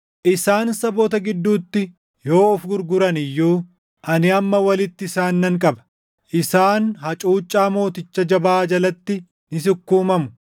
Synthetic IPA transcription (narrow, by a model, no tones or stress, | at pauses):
ʔɪsaːnsɐboːt̪ɐɡɪd̪ːuːt̪ːɪ | jo̞ːɔfɡʊɾɡʊɾɐnɪjːuː | ʔɐnɪɐmːɐwɐlɪt̪ːɪɪsaːnːɐŋkʼɐbɐ̥ | ʔɪsaːnhɐt͡ʃʼuːt͡ʃʼːaːmo̞ːt̪ɪt͡ʃːɐd͡ʒɐbaːd͡ʒɐlɐt̪ːɪ | nɪs̬ʊkːuːmɐmʊ̥